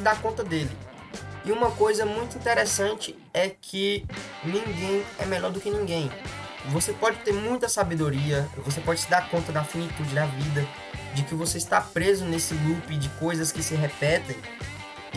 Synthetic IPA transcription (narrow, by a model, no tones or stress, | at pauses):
d̪aɾkõnt̪ɐd̪elɪ | ɪũmɐkojzɐmũj̃t̪ʊĩnt̪ɛɾɛsɐ̃t͡ʃɪ | ɛkʰɪnĩŋɡẽj̃ɛmɛʎɔɾd̪ʊkɪnĩɡẽj̃ | vosepɔd͡ʒɪt̪eɾmũj̃t̪ɐsabed̪oɾiɐvos̬epɔd͡ʒɪsɪd̪aɾkõnt̪ɐd̪ɐafinit̪ud͡ʒɪd̪ɐvid̪ɐ | d͡ʒɪkɪvoseɪst̪apɾezʊnesɪlupɪd͡ʒɪkojzɐskɪsɪɦɛpɛt̪ẽj̃